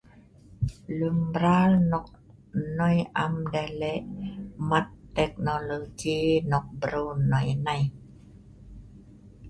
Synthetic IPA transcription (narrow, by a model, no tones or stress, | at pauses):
lɯŋbɾaːlnɔk̚ | nɔjʔamdaleʔmat̪ːek̚nolod͡ʒiːnɔk̚bɾonːɔjnaj